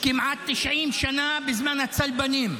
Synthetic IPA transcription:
kɪmʕat̪ːɪʃʕiːmʃanabɪzmanat̪salbaniːm

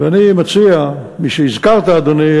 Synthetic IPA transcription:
vanimat͡siamiʃeizkaʁt̪aːd̪oni

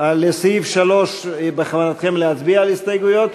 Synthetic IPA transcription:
alesifʃalo̞ʃbeχavanat̪χemleatbiaːlist̪ajɡujo̞t̪

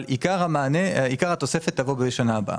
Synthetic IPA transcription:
likaʁamaːneikaʁhat̪o̞se̞fet̪ːavobeʃanaːba̰ʔa̰

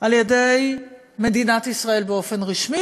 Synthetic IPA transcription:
ʔaljede̞j | me̞dinat̪isʁae̞lbeo̞fe̞nʁiʃmi

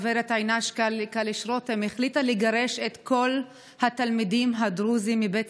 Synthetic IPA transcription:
veɾet̪ajnaʃkalkaliʃɾot̪emeχlit̪aliɡaɾe̞ʃet̪ko̞l | hat̪almidimɦadʁuzimːibet

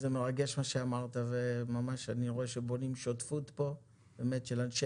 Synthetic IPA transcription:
zemeʁaɡe̞ʃmaʃeamaʁt̪avemamaʃaniʁo̞eʃebo̞nimʃotfutpo̞ | beme̞t̪ʃelanʃe

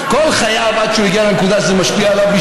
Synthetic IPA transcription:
kolχajavad̪ʃulaɡialenkud̪aʃzɛmaʃpiaːlavbi

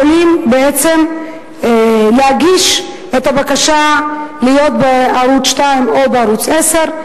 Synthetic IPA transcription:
olimbeet͡se̞m | leaɡiʃ | et̪abakaʃalijo̞t̪beaɾut͡sʃtaimo̞beaɾut͡sese̞ʁ

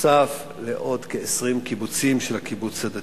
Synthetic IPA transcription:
saf | leʔo̞d̪keesʁimkibut͡simʃelhakibut͡shad̪a

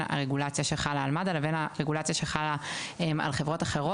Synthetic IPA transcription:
na̰ʁeɡulat͡sjaʃeχalaːlmad̪alavenaʁe̞ɡulat͡sjaʃeχalaema̰lχevʁo̞taχe̞ʁo

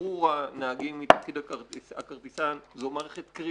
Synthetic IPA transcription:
uʁanaaɡimːit̪afkid̪aakaʁt̪isanzmaʁeχet̪kʁi

